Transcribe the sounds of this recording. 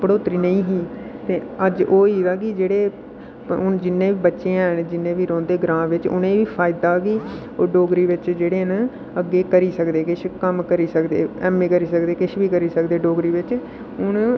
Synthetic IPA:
bəɽoːt̪əɾiːnəĩːɦiː | t̪eːəd͡ʒoːiːd̪aːkɪd͡ʒeːɽeː | ʊnd͡ʒɪnːẽːʋiːbətːʃẽːɛnd͡ʒɪnːẽːʋiːɾɔ̃ːnd̪eːɡɾãːʋɪt͡ʃʊ̰nẽːʋiːpʰaːɪd̪aːkɪ | oːɖoːɡɾiːʋɪt͡ʃd͡ʒeːɽeːn | əɡːeːkəɾiːsəkd̪eːkɪʃkəmkəɾiːsəkd̪ḛːɛːmːẽːkəɾiːsəkd̪eːkɪʃʋiːkəɾiːsəkd̪eːɖoːɡɾiːʋɪt͡ʃ | ʊn

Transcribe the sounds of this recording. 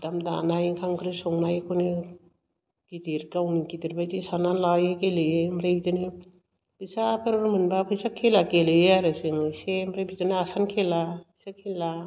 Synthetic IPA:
damda̰najkʰamkʰɯɾisɔŋnajkʰɔni | kidiɾkawnikidiɾbajtisananlawjekelemɾebitɯni | pʰɯsapʰɯɾɾmɯnbapʰɯjsakʰelakelɯjaɾaseŋɯjsemɾajbitɯniasankʰelabisakʰinla

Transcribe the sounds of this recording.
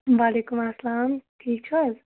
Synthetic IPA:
ʋaːleːkumɐslaːmʈʰiːk̚t͡ʃʰɔz

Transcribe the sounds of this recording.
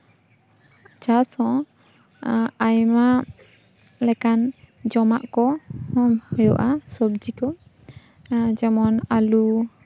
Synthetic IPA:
d͡ʒasɔ̃ | ajma | lɛkan | d͡ʒɔma̰ʔkɔhɔmhɔjɔ̰ʔasɔbd͡ʒikɔ | d͡ʒɛmɔnalu

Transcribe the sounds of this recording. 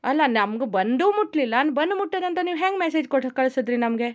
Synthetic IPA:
ɐlanamɡɐbɐnd̪umuʈlilanbɐnmuʈːenɐnt̪ɐniɦɛ̃ŋɡmesed͡ʒkoʈʰɐkːɐlsɐd̪ɾinamɡe

